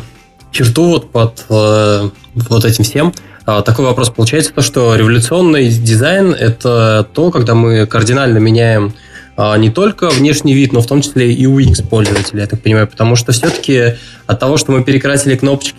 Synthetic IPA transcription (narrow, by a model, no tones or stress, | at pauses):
t͡ɕɪrt̪uvo̞t̪̚pət̪ə | vot̪ɛtʲɪmfsʲe̞m | ət̪ɐko̞jvɐpɾo̞spəlˠʊt͡ɕæjɪt̪sə̥t̪o̞ʂt̪o̞ɾʲɪvəlʲʊt̪sɨo̞nːɨjdʲɪzajnɛ̰t̪ət̪o̞kaɡd̪amɨkərdʲɪnalʲnəmʲɪnʲæjɪm | ənʲɪt̪o̞lʲkəvnʲe̞ʂnʲɪjvʲit̪no̞ft̪o̞mt͡ɕɪ̥sʲlʲeʔiuikspo̞lʲzəvətʲɪlʲɪjat̪ak̚pənʲɪmajʊpə̥t̪ɐmuʂ̬t̪ofsʲot̪ə̥kʲɪ | ɐt̪ːɐvo̞ʂt̪o̞mɨpʲɪɾʲɪkɾasʲɪlʲɪkno̞pə̥t͡ɕkʲɪ